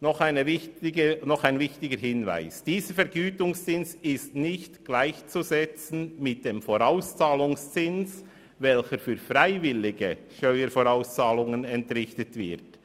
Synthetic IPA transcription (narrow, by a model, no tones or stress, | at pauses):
nɔχaɪnəvɪtɪɡənɔχaɪnvɪçtɪɡəɦɪnva̰ɪsd̥iːzəfɛɐɾɡyːtʊŋst͡sɪnsɪstnɪçtɡ̥laɪçt͡suzɛt͡sn̩mɪt̚d̥eːmfoʁaʊst͡saːlʊŋst͡sɪns | vɛlçəfyːɾfraɪvɪlɪɡəʃtœʏəɾfoʁaʊst͡saːlʊŋənɛntʁɪçtətv̥ɪʁt